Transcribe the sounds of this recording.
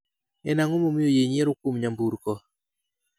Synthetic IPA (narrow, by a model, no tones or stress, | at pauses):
ɛnaŋomomɪjojeɲɛɾʊkwomɲambuɾkɔ